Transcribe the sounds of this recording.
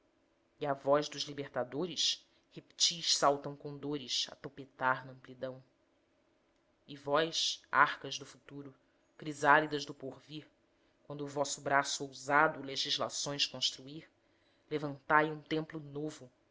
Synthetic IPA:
iavɔʒd̪ʊʒlibeɾt̪ad̪oɾɪʃ | hepi̥t͡ʃiʃsawt̪ɐ̃w̃kõw̃d̪oɾɪʃɐ̰t̪opet̪aɾnɐɐ̃mplid̪ɐ̃w̃ | ɪvɔjʃa̰χkɐʒd̪ʊfut̪uɾʊ | kɾizalid̪ɐʒd̪ʊpoɾviχ | kwɐ̃nd̪ʊːvɔsʊbɾasuowzad̪ʊleʒiʒla̰sõj̃skõʃt̪ɾuiχ | levɐ̃nt̪ajũt̪ẽmplʊnovʊ

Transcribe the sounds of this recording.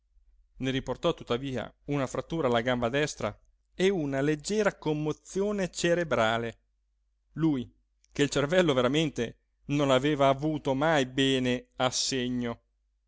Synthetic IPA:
neɾiport̪ɔt̪ːut̪ːaviːa̰unafɾat̪ːuːɾaːlːaɡambad̪ɛst̪ɾa̰ | eunaled͡ʒːɛːɾakomːot̪sːjoːnet͡ʃeɾebɾaːle | luj | k̟eilt͡ʃervɛlːoveɾament̪e | nonaveːvaːvuːt̪omajbɛːneasːeɲːo

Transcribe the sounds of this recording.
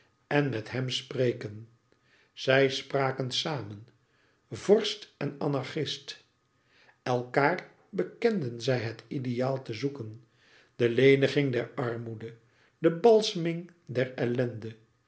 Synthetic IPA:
ɛnmɛthɦɛmsprejkən | z̥ɛjspraːkənsaːmən | vɔɹstɛna̰nɑɹχɪst | ɛlˠkaːr | bəkɛndənzɛjɦətidejaːlˠtəzukən | d̥əlejnəχɪŋdɛɹɑrmudə | dəbɑlˠsəmɪŋ | dɛɹɛlɛndə

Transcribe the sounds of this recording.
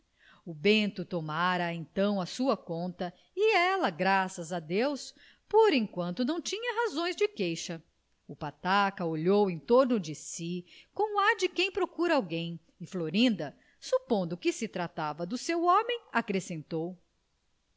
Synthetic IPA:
ʊbẽnt̪ʊt̪omaɾɐẽnt̪ɐ̃w̃ɐsuɐkõnt̪ɐ | iɛlɐɡɾasɐzad̪ews | poɾẽjkwɐ̃nt̪ʊnɐ̃w̃t͡ʃĩɲɐɦazõj̃zd͡ʒɪkejʃɐ | ʊpat̪akɐoʎowẽj̃t̪oɾnʊd͡ʒɪsikõw̃ad͡ʒɪkẽj̃pɾokuɾɐawɡẽj̃ | ɪfloɾĩnd̪ɐ | supõnd̪ʊkɪsɪt̪ɾat̪avɐd̪ʊsewɔ̃mẽj̃akɾesẽnt̪ow

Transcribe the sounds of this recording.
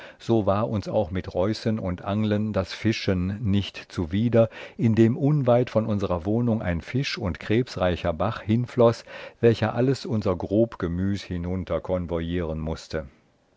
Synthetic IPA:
z̥oːvaːɐʔʊnsa̰ʊxmɪtʁɔʏsənʊntʔaŋləndasfɪʃənːɪçtt͡suviːdɐʔɪndeːmʔʊnvaɪtfɔnʊnzəʁɐvoːnʊŋʔa̰ɪnfɪʃʊntkʁ̥eːpsʁaɪçɐbaχhɪnflɔsv̥ɛlçɐʔaləsʔʊnzɐɡʁoːpɡ̥əmyːshɪnʊntʰɐkʰɔnvɔjiːʁənmʊstə

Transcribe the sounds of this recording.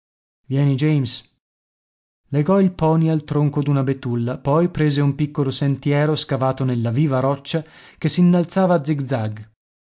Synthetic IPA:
vjɛːnid͡ʒejms | leɡɔilpɔːnialt̪ɾoŋkod̪unabet̪ːulːapɔjpɾeːzeumpikːolosent̪jɛːɾoskavaːt̪onelːaviːvaɾɔt͡ʃːakesːinːalt̪saːvaːd̪ziɡd̪zaɡ

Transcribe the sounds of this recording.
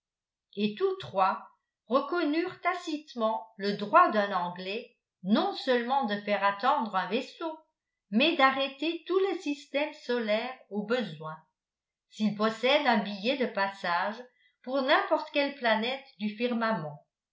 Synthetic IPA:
et̪ut̪χwa | ʁəkɔnyːʁt̪asit̪mɑ̃ləd̪ʁwad̪ɛ̃nɑ̃ɡlɛ | nɔ̃sœlmɑ̃d̪əfɛʁat̪ɑ̃d̪ʁœ̃vɛso | mɛd̪aʁɛt̪et̪ulesist̪ɛmsɔlɛːʁobəzwɛ̃ | silpɔsɛd̪ɛ̃bijɛd̪əpasaːʒ | puʁnɛ̃pɔʁt̪kʲɛlplanɛt̪d̪yfiʁmamɑ̃

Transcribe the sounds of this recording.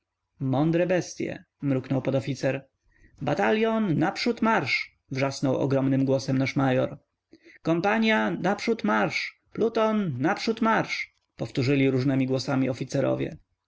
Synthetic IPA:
mɔnd̪ɾɛbɛst̪ʲjɛ̰ | mɾuknɔwpɔd̪ɔfʲit̪sɛɾ | bat̪alʲjɔnnapʂut̪maɾʂ | vʐasnɔwɔ̰ɡɾɔmnɘmɡwɔsɛmnaʂmajɔɾ | kɔmpaɲjanapʂut̪maɾʂ | plut̪ɔnːapʂut̪maɾʂ | pɔft̪uʐɘlʲiɾuʐnɛmʲiɡwɔsamʲiɔfʲit̪sɛɾɔ̰vʲjɛ̰

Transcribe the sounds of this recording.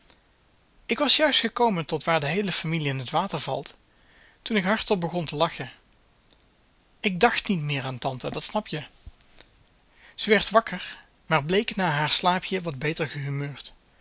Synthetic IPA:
ɪkʋɑsjœɥstχəkowməntɔtʋaːɹdəɦejləfamiliɪnɦətʋaːtəɹvɑ̰lˠt | tunɪkɦɑɹtɔlbəɣɔntəlɑxə | ɪɡ̚dɑχtnitmɪːɹaːntɑntədɑtsnɑpjə | z̥əʋɛɹtʋɑkəɹ | maːɹblejknaːɦaːɹslaːpʰjəʋɑd̚bejtəɹɣəɦymøːɹt

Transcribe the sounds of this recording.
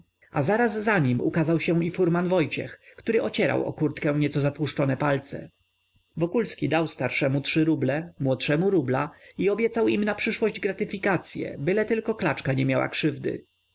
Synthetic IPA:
azaɾazːaɲimṵkazawɕɛ̃ifuɾmanvɔjt͡ɕɛ̰xkt̪uɾɘʔɔt͡ɕɛɾa̰wɔ̰kuɾt̪kɛ̃ɲɛt̪sɔzapwuʂt͡ʂɔnɛpalt̪sɛ̰ | vɔkulskʲid̪awst̪aɾʂɛmutʂɘɾublɛmwɔt̪ʂɛmuɾublaiɔbʲjɛt̪sawimnapʂɘʂwɔʑd͡ʑɡɾat̪ɘfʲikat̪sʲjɛ̰bɘlɛt̪ɘlkɔklat͡ʂkaɲɛmjawa̰kʂɘvd̪ɘ̰

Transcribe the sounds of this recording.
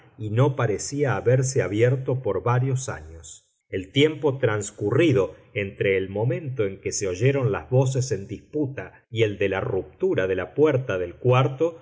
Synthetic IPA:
ino̞paɾesiaːβeɾs̬eaβjeɾt̪o̞po̞ɾβaɾjosa̰ɲos | elt̪je̞mpo̞t̪ɾanskuriðo̞ | ent̪ɾe̞ːlmõ̞mẽ̞nt̪o̞e̞ŋkeseo̞ʒeɾo̞nla̰zβo̞s̬esend̪isput̪a | ield̪elarup̚t̪uɾaðelapweɾt̪aðelkwaɾt̪o̞

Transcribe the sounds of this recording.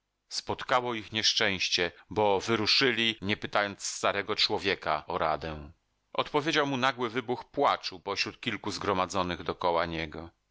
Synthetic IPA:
spɔt̪kawɔixɲɛʂt͡ʂɛ̃w̃ɕt͡ɕɛbɔvɘɾuʂɘlʲiɲɛpɘt̪ajɔnt̪st̪aɾɛɡɔt͡ʂwɔvʲjɛkaɔɾad̪ɛ | ʔɔt̪pɔvʲjed͡ʑawmunaɡwɘvɘbuxpwat͡ʂupɔɕɾut̪̚kʲilkuzɡɾɔmad̪zɔnɘɣd̪ɔkɔwaɲɛɡɔ

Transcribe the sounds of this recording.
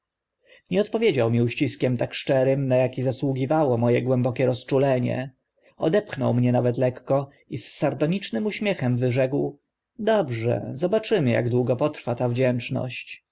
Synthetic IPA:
ɲɛɔt̪pɔvʲjed͡ʑawmʲiuɕt͡ɕiskʲɛmt̪akʂt͡ʂɛɾɘmnajakʲizaswuɡʲivawɔmɔjɛɡwɛmbɔkʲɛɾɔst͡ʂulɛɲɛ̰ | ɔ̰d̪ɛpxnɔ̰wmɲɛnavɛt̪lɛkːɔ | isːaɾd̪ɔɲit͡ʂnɘmuɕmʲjɛxɛmvɘʐɛkw | d̪ɔbʐɛ̰zɔbat͡ʂɘmɘja̰ɡd̪wuɡɔpɔt̪ɾfat̪avd͡ʑɛnt͡ʂnɔ̰ɕt͡ɕ

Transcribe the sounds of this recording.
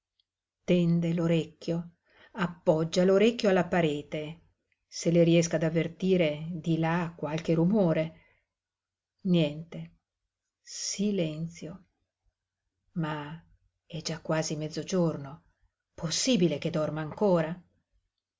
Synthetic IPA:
t̪ɛnd̪eloɾekʲːjo | apːɔd͡ʒːaloɾekːjoalːapaɾeːt̪e | seleɾiɛskaːd̪avːert̪iːɾed̪ilakːwalk̟eɾumoːɾe | njɛnt̪e | silɛnt̪sjo | ma | ɛd͡ʒakːwaːzimɛd̪zːod͡ʒorno | posːiːbileked̪ɔrmaːŋkoːɾa

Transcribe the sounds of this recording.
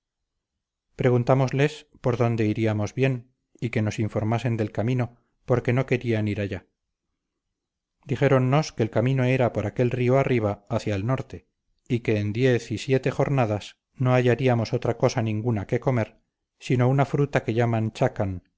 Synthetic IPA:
pɾe̞ɣunt̪amo̞zle̞spo̞ɾðo̞nd̪e̞iɾiamo̞zβje̞n | ike̞no̞siɱfo̞ɾmase̞nd̪e̞lkamĩno̞ | po̞ɾke̞no̞ke̞ɾianiɾaʎa | d̪iχe̞ɾo̞nːo̞ske̞ːlkamĩno̞e̞ɾapo̞ɾake̞lrioariβ̞aːθjaelno̞ɾt̪e̞ | ike̞ːnd̪je̞θisje̞t̪eχo̞ɾnaðas | no̞aʝaɾiamo̞so̞t̪ɾako̞sanĩŋɡunake̞ko̞me̞ɾ | sino̞unafɾut̪ake̞ʝamãnt͡ʃakan

